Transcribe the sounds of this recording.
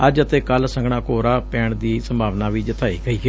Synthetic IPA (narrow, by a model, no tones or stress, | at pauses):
əd͡ʒət̪eːkəlsə̃ŋɡɳ̃ãːkoːɾaːpɛːɳd̪iːsəmbʱaːʋnaːʋiːd͡ʒət̪ʰaːiːɡəiːɡeː